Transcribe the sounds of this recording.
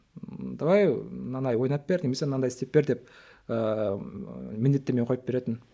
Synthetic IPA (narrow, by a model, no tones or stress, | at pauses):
d̪ɑwɑjnɑnd̪ɑjwo̞jnɑp̚be̞ɾnʲemesenɑnd̪ɑjɪst̪ep̚be̞ɾd̪e̞p̚ | ə | mɪnd̪e̞t̪ːeɾmeɴqʰojpbe̞ɾe̞t̪ɪn